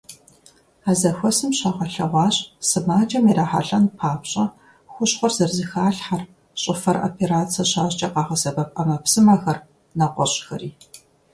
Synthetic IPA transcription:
aːzɐxʷɔsɨmɕɑːʁɐɬɐʁʷɑːɕʼsɨmaːt͡ʃʼɐmiɾaːħa̰ɬɐnpʰaːpɕʼɐ | xʷʊɕχʷɔrzɐrzɨxaːɬħar | ɕʼɪfɐro̰pʰeɾaːt͡sʰɐɕaːɕt͡ʃʼɐqɑːʁɐsɐbɐpʼɐmɐpsɨmɐxɐr | nɐqʷɔɕʼxɐriː

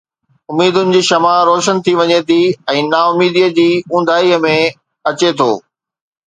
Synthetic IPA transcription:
ʊmːiːd̪ʊnɪ̆d͡ʑiːʃɐmaːɾoːʃənt̪ʰiʋɐɲet̪ʰiɛ̃ːnaːʊmiːd̪iəd͡ʑiːũːn̆d̪ʱaːiəmẽ | ɐt͡ɕet̪ʰo̰ː

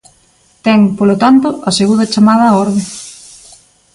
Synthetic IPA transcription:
t̪ɛŋpolot̪ant̪oʔɐseɣuðɐt͡ʃamað̞ɐɔɾðe

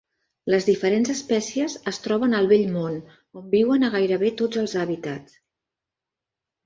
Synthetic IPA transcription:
ləzðifəɾenzəspɛsiəzəst̪ɾɔβənəlˠβeʎmon | ombiwənəɣajɾəβet̪od͡zəlˠzəβit̪at͡s

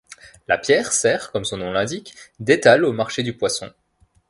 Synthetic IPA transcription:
la̰pjɛːʁsɛːʁkɔmsɔ̃nɔ̃lɛ̃d̪ikd̪et̪alomaʁʃed̪ypwasɔ̰̃

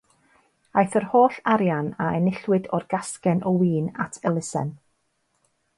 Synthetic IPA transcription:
ajθərhoːɬaɾjanaɛnɪɬwɨdɔrɡ̥askɛnʔɔwiːna̰tʰəlˠɪsɛ̰n

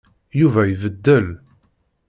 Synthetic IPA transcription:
juvæjvəd̪ːəl

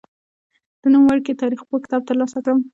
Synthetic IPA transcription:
d̪̥ənumwaɽket̪ɑɾixpokɪ̥t̪ɑb̚t̪əɾlɑsat̪əm

